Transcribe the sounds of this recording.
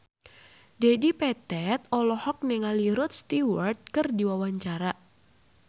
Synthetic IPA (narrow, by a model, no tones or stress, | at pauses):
dɛdipɛt̪ɛt̪̚ɔlɔhɔk̚nɛŋaliɾʊt̪̚st̪iwɔrt̪̚kɨrdiwawaɲt͡ʃaɾa